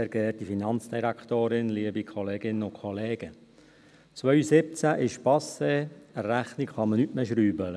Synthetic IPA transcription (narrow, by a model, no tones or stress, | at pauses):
ɛɾɡeːtifinɑnt͡sd̥iɾæktoːɾɪnliəbikʰχɔleːɡɪnːəʊkʰɔleːɡ̥ə | t͡sʋœʏsɪp̚t͡sæʔɪʃpɑseərːæχnikχɑmənytmeʃɾyːbələ